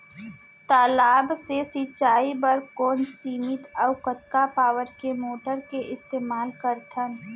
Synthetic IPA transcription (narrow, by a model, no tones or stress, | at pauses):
t̪aːlaːbsesit͡ʃaːibəɾkoːnsiːmɪt̪ɔʊkət̪kapaːʋəɾkemoːʈəɾkeʔɪst̪eːmaːlkəɾt̪ʰən